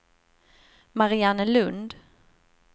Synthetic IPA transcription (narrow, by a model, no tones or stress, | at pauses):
maɾɪanəlɵnd̪